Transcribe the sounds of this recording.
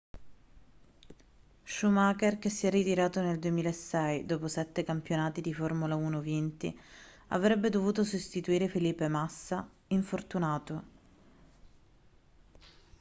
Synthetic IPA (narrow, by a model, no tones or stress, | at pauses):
ʃumaːkerk̟esːiɛrːit̪iɾaːt̪oneld̪uemiːlaesːɛjd̪oːposɛt̪ːekampjonaːt̪id̪iformulauːnovint̪ḭ | a̰vɾɛbːed̪ovuːt̪osost̪it̪uiːɾefiliːpːemasːa | iɱfort̪unaːt̪o